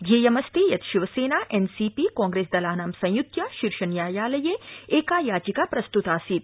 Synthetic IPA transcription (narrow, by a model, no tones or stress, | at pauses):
d͡ʒeːjɐmɐst̪ijɐt̪ʃiʋɐseːnaːʔensiːpiːkɔ̃ːŋɡɾeːsd̪ɐlaːnaːmsɐ̃j̃jut̪jaʃiɾʃɐnjaːjaːlɐjeeːkaːjaːd͡ʒikapɾɐst̪ut̪aːsit̪̚